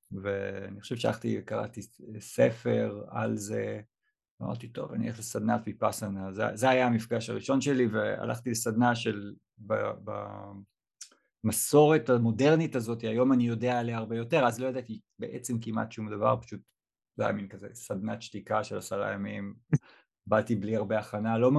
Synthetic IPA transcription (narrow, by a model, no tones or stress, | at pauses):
veaniχo̥ʃevʃealaχt̪ḭvkaʁa̰t̪isefe̞ʁa̰lze | ama̰ʁt̪it̪o̞̰va̰nḭeχlesad̪natbipasanazḛzeajaːmifɡaʃaʁiʃo̞nʃe̞livea̰lʔa̰χt̪ilesad̪naʃe̞l | ba̰ba̰ | maso̞ʁe̞tamo̞de̞ʁnitazo̞t̪iajo̞manijo̞deaeleaːʁbe̞jo̞te̞ʁazlo̞jad̪at̪ibeʔet͡se̞mkimʔa̰tʃumd̪ava̰ʁpḁʃut̪ | zo̰ja̰minkazḛsad̪nat̪ʃt̪ikaʃelasaʁa̰jamim | batibliaʁbeaχanalo̞